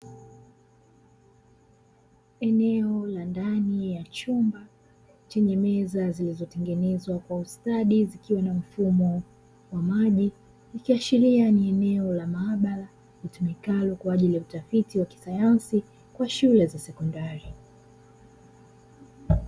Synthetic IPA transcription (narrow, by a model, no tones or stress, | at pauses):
ɛnɛɔlandanijat͡ʃumba | t͡ʃɛɲɛmɛzazilizɔtɛŋɡɛnɛzwakwaustaɗizikiwanam̩fumɔ | wamaʄi | likiaʃiɾianiɛnɛɔlamaaɓaɾa | litumikalɔkwaːʄilijautafitiwaki̥sajansi | kwaʃulɛzasɛkɔndaɾi